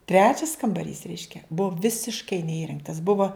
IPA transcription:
ˈtʲrʲæːt͡ʃʲɛs kɐmbɐˈrʲiːs ˈrʲɛɪʃʲkʲɛ ˈbʊʋoː ʋʲɪsʲɪʃˈkɐɪ nʲɛˈiːrʲɛŋktɐs ˈbʊʋoː

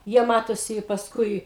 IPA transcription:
ˈjiɛ ˈmɑːtoːsʲɪ ɪ pɐsˈkʊɪ

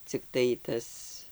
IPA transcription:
t͡sʲɪkˈtɐɪ ˈtɐs

